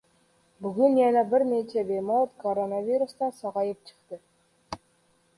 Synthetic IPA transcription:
bɵɡɵnjænæbɪɾnet͡ʃebejmot̪koɾonavʲiɾust̪ɑsɒʁɑjɤpɕə̥̆qt̪ə

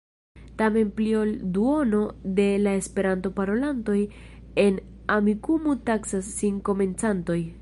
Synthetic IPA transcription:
tame̞nplio̞lduo̞no̞de̞lae̞spe̞ɾanto̞paɾo̞lanto̞j | e̞n | amikumutaksasːiŋko̞me̞nt͡santo̞j

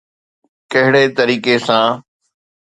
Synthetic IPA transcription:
kɐɦɪɽet̪ɐɾiːkesãː

